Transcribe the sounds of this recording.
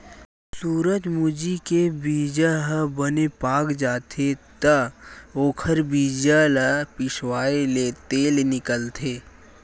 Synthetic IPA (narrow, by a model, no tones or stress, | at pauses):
suːɾəd͡ʒmud͡ʒikebiːd͡ʒaɦabənepaːkd͡ʒaːt̪ʰet̪əoːkʰəɾbiːd͡ʒalapɪʃwaːeleːt̪eːlnɪkəlt̪ʰeː